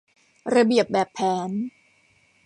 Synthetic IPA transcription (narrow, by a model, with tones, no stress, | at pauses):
ɾa˧bi˨˩əp̚bɛː˨˩pʰːɛː˩˦n